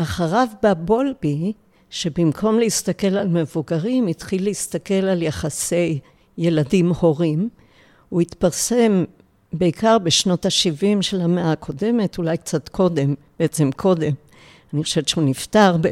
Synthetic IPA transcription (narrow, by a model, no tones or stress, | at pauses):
ʔaχaʁavbabo̞lbi | ʃe̞bimkʰo̞mleist̪ake̞lalme̞vuɡaʁimitχilːeist̪ake̞laljaχase̞jː | e̞ladimho̞ʁim | uit̪paʁse̞m | be̞ikaʁbeʃno̞taʃivimʃelameakʰo̞de̞me̞tulajk̚t͡sat̪kʰo̞de̞mb̥eet͡se̞mkʰo̞de̞m | aniχoʃevet͡ʃʃeuniftaʁb